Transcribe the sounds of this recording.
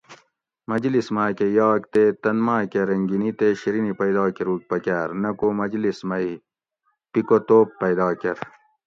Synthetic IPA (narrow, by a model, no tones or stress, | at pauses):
mɐd͡ʑlismaːkejɑːkt̪eːt̪ɐnmaːkeɾɐŋɡinit̪eɕiɾinipɐjd̪aːkeɾuːk̚pɐkaːɾnɐkomɐd͡ʑlismɐi | pikot̪oːpːɐjd̪aːkɐɾ